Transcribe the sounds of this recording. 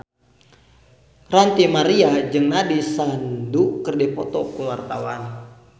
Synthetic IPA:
rant̪imaɾiad͡ʒɨŋnadisandukərdɛpɔt̪ɔkuwart̪awan

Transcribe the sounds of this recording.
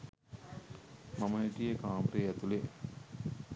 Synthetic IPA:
maməɦiʈijekaːmɾeæt̪ule

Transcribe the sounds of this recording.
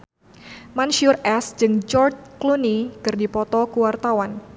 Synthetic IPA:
manʃiʊrɛsd͡ʒɨŋd͡ʒɔrt͡ʃklunikɨrdipɔt̪ɔkuwart̪awan

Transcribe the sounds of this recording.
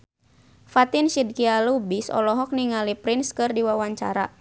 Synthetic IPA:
fat̪inʃid̚kialubisɔ̰lɔɦɔk̚niŋalipɾɪnskɨrdiwawaɲt͡ʃa̰ɾa

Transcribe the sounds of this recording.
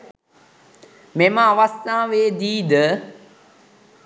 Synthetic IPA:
meməaʋast̪aːʋeːd̪iːd̪ə

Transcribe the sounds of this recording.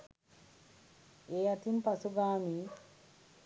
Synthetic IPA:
ejatimpasuɡaːmi

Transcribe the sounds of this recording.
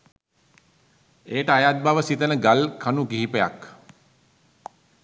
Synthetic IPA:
eːʈəajat̪̚baʋəsit̪ənəɡalkʰanuɡiɦipeja̰k

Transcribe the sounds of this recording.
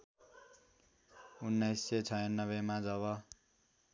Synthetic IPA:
unːʌjsːet͡sʰʌjʌnːʌbemad͡zʌβʌ

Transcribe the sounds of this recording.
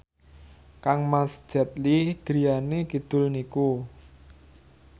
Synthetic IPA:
kaŋmasd͡ʒ̥a̤t̪̚lid̥ɾijaneɡ̥id̪̥ʊ̤lniku

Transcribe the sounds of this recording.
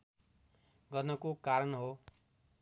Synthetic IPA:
ɡʌnʌkukaɾʌnɦo

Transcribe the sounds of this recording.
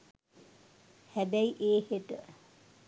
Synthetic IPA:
hæbæiʔeːheʈə

